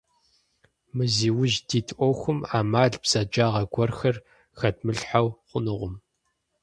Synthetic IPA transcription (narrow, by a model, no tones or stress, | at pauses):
mɨziːwʊʒdiːtʰʔʷɔwxʷʊmaːmaːɮbz̥ɐd͡ʒaːʁɐɡʷɔrxɐr | xɐtʰmɨɬħawχʷʊnɨʁʷʊm